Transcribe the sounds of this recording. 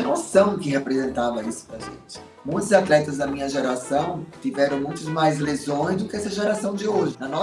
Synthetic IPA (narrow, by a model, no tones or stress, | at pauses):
ɐnosɐ̃w̃kɪhepɾezẽnt̪avɐisʊ̥pɾɐʒḛ̃t͡ʃɪ̥ | mũj̃t̪ʊzat̪lɛt̪ɐzd̪ɐmĩɲɐʒeɾasɐ̃w̃t͡ʃ̪ivɛɾɐ̃w̃mũj̃t̪ʊzmajzlezõj̃zd̪ʊkɪɛsɐʒeɾasɐ̃w̃d͡ʒɪoʒɪnɐnɔ